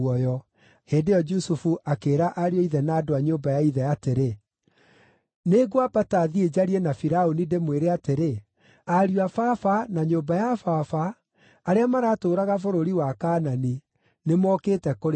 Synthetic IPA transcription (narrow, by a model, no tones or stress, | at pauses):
ɔjɔ | heːdejɔd͡ʒusufuʔakeːɾaʔaɾiɔiðɛnaːdoaɲoːmbajaiðɛateɾe | neɡwabataðied͡ʑaɾiɛnafiɾaonidemweɾeateɾe | aɾiwafafanaɲoːbajafafaː | ɾeamaɾaːtoːɾaɣafoɾoɾiwakaːnani | nemɔːketɛkoɾ